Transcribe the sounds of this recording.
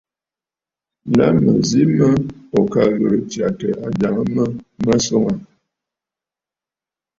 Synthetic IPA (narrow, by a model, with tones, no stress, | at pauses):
na˦mə˨zi˦mə˦ɔ˨ka˦ɣə˨ɾə˨tja˨tə˨ʔa˨d͡ʒa˨ŋə˦mə˦mə˦sɔ˦ŋa˨